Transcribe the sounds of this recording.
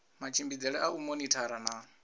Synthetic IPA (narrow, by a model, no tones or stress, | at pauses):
mat͡ʃʰimbid͡zɛɺɛʔaumɔnitʰaɾana